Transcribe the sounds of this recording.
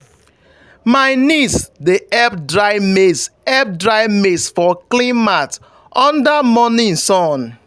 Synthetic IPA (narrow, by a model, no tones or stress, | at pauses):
maɪnisdeʔɛb̚dɹaɪmesɛb̚dɹaɪmesfɔklĩmat | ʔɔ̃ndamɔnĩnsɔ̃n